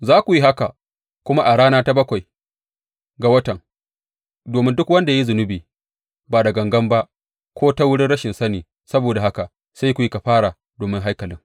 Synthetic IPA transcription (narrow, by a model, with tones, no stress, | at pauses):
zaː˦kʷu˨ji˦ɦa˦ka˨ | kʷʊ˦ma˦ʔa˨ɽaː˦naː˦ta˦bɐ˦kʷa˨j | ɡa˨wɐ˦tɐ˨ŋ | doː˨mɪ˦ndʊ˦kwɐ˦nda˨ja˦i˦zʊ˨nʊ˦biː˨ | baː˨dɐ˨ɡɐ˨ŋɡɐ˦mba˦ʔ | kʷoː˦ta˦wʊ˦ɽɪ˦nɽɐ˦ʃɪ˨nsɐ˦niː˨ | sɐ˦boː˨da˨ɦa˦ka˨ | sa˦jkʷu˨ji˦ka˨ɸaː˦ɽa˨ | doː˨mɪ˦ŋɦa˦jkɐ˨lɪ̰˦ŋ